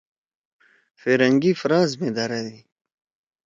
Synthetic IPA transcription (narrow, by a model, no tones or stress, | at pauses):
feɾɐŋɡifɾaːzmed̪aɾadi